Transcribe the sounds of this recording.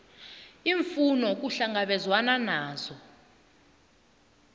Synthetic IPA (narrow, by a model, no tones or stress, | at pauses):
iɱfunɔk̬uɬaŋaɓɛzwananaːzɔ